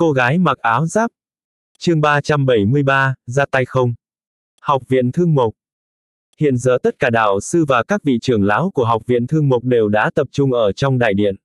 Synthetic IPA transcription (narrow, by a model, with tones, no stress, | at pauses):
ko˧ɣaː˨˦jma˨˩k̚ʔaː˨˦wzaː˦˥p̚ | t͡ɕɨ˧əŋɓaː˧t͡ɕa˧mɓə˧˩jmɨ˧əjɓaː˧zaː˧t̪a˧jxə˧wŋ͡m | hɔ˨˩wk͡p̚vḭ˧˨ənt̪ʰɨ˧əŋmo˨˩k͡p̚ | hḭ˧˨ənzə̰ː˧˩t̪ə˦˥t̚kaː˧˩ɗaː˧˩wsɨ˧vaː˨˩kaː˦˥k̚vḭ˧˨t͡ɕɨ˨˧˩əŋlaː˨˦wku˧˩əɦa˨˩wk͡p̚vḭ˧˨ənt̪ʰɨ˧əŋmo˨˩k͡p̚ɗe˨˩wɗa̰ː˧˥t̪ə˨˩p̚t͡ɕʊ˧ŋ͡mʔəː˧˩t͡ɕɔ˧wŋ͡mɗa̰ː˧˨jɗḭ˧˨ən